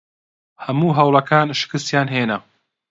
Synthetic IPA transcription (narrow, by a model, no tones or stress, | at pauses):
hɐmuːɦɐwlˠɐkʰaːnʃɨ̥kɨst̪jaːnɦeːnɐ